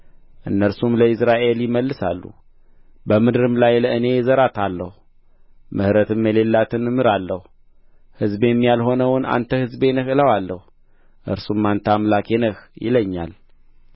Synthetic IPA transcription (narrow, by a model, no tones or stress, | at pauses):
ʔɨnːəɾsumləɨsɾaʔe̞ljɪməlːɨsa̰lːṵ | bəmɨd̪ɨɾɨmlajləɨne̞zəɾat̪ʰalːəhu | mʔɨhɾət̪ʰɨmjɛle̞lːat̪ʰɨnɨmɨɾalːəhu | hɨzbjɛmːijalho̞nəwna̰nt̪ʰəhɨzbenəhɨləwalːəhu | ʔɨ̰ɾsumːant̪ʰəamlakenəhjɪ̰ləɲːa̰l